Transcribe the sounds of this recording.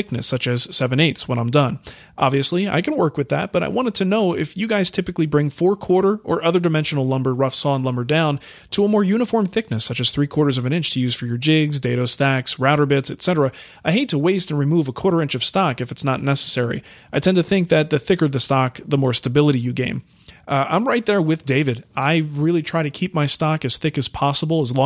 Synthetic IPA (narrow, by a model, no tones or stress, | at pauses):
ɪk̚nɨ̰sʌt͡ʃɨz̥sɛvɨ̃ñeɪtswə̃nãɪ̃mdʌ̃n | ʔɑ̰bviɨslia̰ɪkɨ̃nwɜ˞kwɨðæ̰t̚b̥ʌɾa̰ɪwɑ̃ɾ̃ɨd̚tʰɨnoʊɪfjɨɡaɪz̥tʰɪpɨklibɹɪ̃ŋfɔɹkʰw̥ɔɹɾə˞ʔə˞ʔʌðə˞dɨmɛ̃nʃn̩l̩ˠlʌ̃mbə˞ɹʌfsɔ̃nlʌ̃mbə˞dãʊ̃n | tʰəəmɔɹjʉñɨfɔɹmθɪk̚nɨsʌt͡ʃɨz̥θɹikʰw̥ɔɹɾə˞zʌvɨ̃ñɪ̃nt͡ʃtʰɨjʉz̥fə˞jə˞d͡ʒɪɡzdeɪɾoʊstæksɹaʊɾə˞bɪtsɨtsɛɾə˞ɨ | aɪɦeɪtʰəweɪstɨ̃n̩ɹimuvəkʰɔɹɾə˞ɪ̃nt͡ʃʌv̥stɑkɨfɨtsnətⁿnɛsə̥sɛɹḭʔaɪtʰɛ̃ntɨθɪ̃ŋk̚ðɨt̪̚ðɨθɪkə˞ʌvðɨstɑk̚ðəmɔɹstɨbɪlˠəɾijɨɡẽɪ̃m | ã̰ɪ̃mɹaɪt̪̚ðə˞wɪðdeɪvɨɾaɪɹɪlˠitʰɹ̥aɪɾɨkʰip̚maɪstɑkɨz̥θɪkɨz̥pʰɑsəbl̩ˠəzlɔ̃